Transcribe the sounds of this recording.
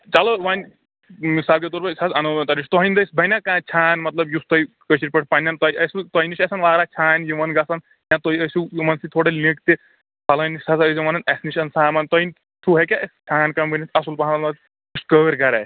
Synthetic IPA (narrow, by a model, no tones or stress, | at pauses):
t͡ʃɐloʋaːnʲ | misaːbket̪oɾpɐsɐsɐnot̪ɐniʃʲt̪ɔɦinʲd̪ɐsʲbɐnakãːt͡ʃʰaːnmɐt̪lɐbjust̪ɐi | kəsiɾʲpɐʈ̚ʰpɐnʲjɐnt̪ɐjʔɐsʲut̪ɐjniʃɐsɐnʋaːɾat͡ʃʰaːnjumɐnɡɐsɐn | jãt̪oiɐsujumɐnsit̪ʰoːɽelʲikt̪e | pɐlɐnisʲsʰɐsɐsɐmɐnɐnɐsniʃʰɐnsaːmaːnt̪ɔɦinʲ | tʰuɦɐkʲaɐsʲt͡ʃʰaːnkɐmbɐnit̪ʰɐsulpɐɦanɐlmɐt̪ | uskəːɾɡɐɾɛ̰